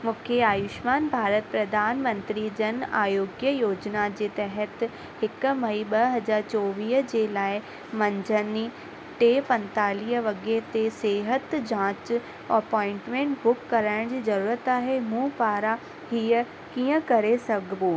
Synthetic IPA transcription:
mũːkʰeaːjʊʃmaːnbʱaːɾət̪̚pɾɐd̪ʱaːnmə̃nt̪ɾid͡ʑɐna̰ːjoːɡjəjoːd͡ʑnad͡ʑeːt̪ɛɦət̪ | hɪkmɐiɓɐɦɐd͡ʑaːɾt͡ɕɔːʋiːɦd͡ʑeːlaːɪ | mɐ̃ɲd͡ʑʱəni | ʈeːpɐ̃nt̪aːliːɦʋɐɡet̪eseːɦət̪d͡ʑãːt͡ɕ | ɐpɔ̃ːɪ̃ɳʈmẽːɳʈbʊkːɐɾaːɪɽ̃d͡ʑiːzɐɾuːɾət̪aːɦemũːpaːɾa | hiːə | kĩːə̃kɐɾesɐɡʱbuː

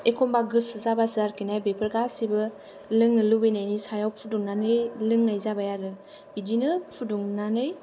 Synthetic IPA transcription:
ekʰɔmbaɡɯsɯzabasɯaɾkinajbepʰəɾɡasibɯ | lɯŋnɯlubɯjnajnisajawpʰuduŋnanɯjlɯŋnajzabajaɾɯ | b̥idinɯpʰuduŋnanɯj

